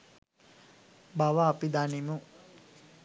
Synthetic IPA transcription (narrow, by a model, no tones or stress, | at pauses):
baʋaːpid̪animu